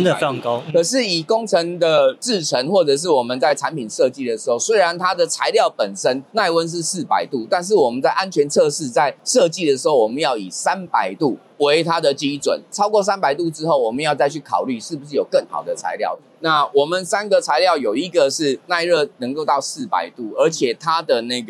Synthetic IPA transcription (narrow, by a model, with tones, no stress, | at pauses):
kkʰə˨˩ʂɻ̩˥˩i˨˩ko˥ŋt͡sʰə˧˥ŋd̪ə˨t͡sɻ̩˥˩ʈ͡ʂʰə˧˦˥ŋxwɔ˥˩ʈ͡ʂɤ˨˩ʂ̬ɻ̩˥˩wɔ˨˩mə˦nt͡sa˥˩ɪʈ͡ʂʰa˧˦npi˨˩nʂɤ˥˧t͡ɕi˥˩d̪ə˩ʂ̩˧˦˥xo˥˩ʊswe˥ɪɻa˧˦nt̪ʰa˦d̪ə˨t͡sʰa˧˥ɪljɑ˥˩ʊpə˨˩nsə˦nna˥˧ɪwə˦nʂ̬ɻ̩˥˧sɹ̩˥˩pa̰˨˦ɪt̪u˥˩t̪a˥˧nʂ̬ɻ̩˥˩wɔ˨˩mə˨˦nt͡sa˥˩ɪʔa˦nt͡ɕʰɥɛ˧˥nt͡sʰɤ˥˧ʂɻ̩˥˧t͡sa˥˧ɪʂɤ˥˧t͡ɕi˥˨˩d̪ə˩ʂ̬ɻ̩˧˥xo˥˩ʊwɔ˨˩mə˦njɑ˥˩ʊḭ˨˩sa˦npa˨˧˩ɪt̪u˥˩ | we˧˥ɪt̪ʰa˦˥d̪ə˨t͡ɕi˦˥t͡swə̰˨˩nt͡sʰɑ˥ʊkwɔ˥˨˩s̬a˥npa˨ɪt̪u˥˧ʈ͡ʂɻ̩˥xo˥˩ʊwɔ˨˩mə˨˦jɑ˥˧ʊt͡sa˥˧ɪt͡ɕʰy˥˩kʰɑ̰˨˩ʊly˥˩ʂɻ̩˥˩bu˩ʂ̬ɻ̩˥˩jo˨˩kə˥˩ŋxɑ̰˨˩ʊd̪ə˩t͡sʰa̰˧˥ɪljɑ̰˥˩ʊ | na˥˩wɔ˨˩mə˨nsa˥nɡə˨t͡sʰa˧˥ɪljɑ˥˩ʊjo˨˩ʊi˧˦˥ɡə˨ʂɻ̩˥˩na˥˧ɪɻə˥˩nə˧˥ŋko˥˧ʊt̪ɑ˥˧ʊsɹ̩˥˩pa̰˨˩ɪt̪u˥˩ə˞˧˥t͡ɕʰjɛ˨˩t̪ʰa˦d̪ə˨na˥˩ɪɡə˩